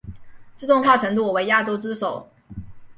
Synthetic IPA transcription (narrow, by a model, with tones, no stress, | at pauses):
t͡sɹ̩˥˧ʊ˥˧ŋxwa˥˩ʈ͡ʂʰɤ˧˥ŋt̪u˥˩˨we˧˥ɪja˥˩ʈ͡ʂo˥ʊt͡sɹ̩˥ʂo˨˩˦ʊ